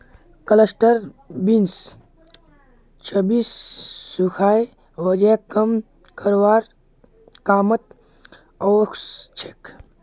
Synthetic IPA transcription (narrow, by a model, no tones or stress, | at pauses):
kələsʈəɾbins | t͡ʃʰəbiːsːukʰaːj | ʋəd͡ʒekəm | kəɾwaːɾ | kaːmət̪̚ | ɔːkst͡ʃʰek